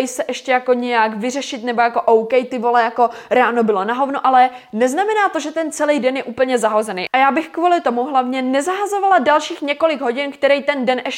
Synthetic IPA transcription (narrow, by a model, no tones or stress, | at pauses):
ɛjsɛʔɛʃcɛjako̞ɲɛjakvɪr̝ɛʃɪt̪nɛbojako̞ʔowkɛjt̪ɪvo̞lɛjako̞ɾaːnobɪlo̞naɦo̞vnoʔalɛ | nɛznamɛnaːt̪o̞ʒɛt̪ɛnt͡sɛlijdɛnjɛʔuːpl̩ɲɛzaɦozɛnḛjʔajaːbɪxkvuːlɪt̪o̞muɦlavɲɛnɛzaɦazo̞valadalʃiːxɲɛko̞lɪɡɦo̞ɟɪnkt̪ɛɾɛjt̪ɛndɛnʔɛʃ